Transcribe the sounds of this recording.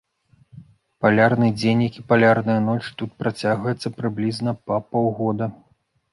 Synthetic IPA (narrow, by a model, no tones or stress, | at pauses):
palʲarnɨd͡zʲenʲjɐkʲipalʲarnɐjɐnɔt͡ʂt̪ut̪̚pɾat͡sʲaɣvɐjɛt̪sːɐpɾɨblʲiznɐpɐpɔwɣɔd̪ɐ